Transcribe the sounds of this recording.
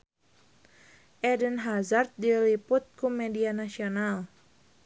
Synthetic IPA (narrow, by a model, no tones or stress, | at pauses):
ʔɛdənɦazart̪̚dilipʊt̪̚kumɛdianasional